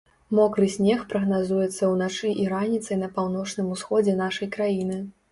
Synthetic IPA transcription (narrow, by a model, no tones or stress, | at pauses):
mɔkɾɨsʲnʲɛxpɾɐɣnazujɛt̪sːɐwnat͡ʂɨʔiɾanʲit̪sɐjnɐpawn̪ɔt͡ʂnɨmusxɔd͡zʲɛn̪aʂɐjkɾajinɨ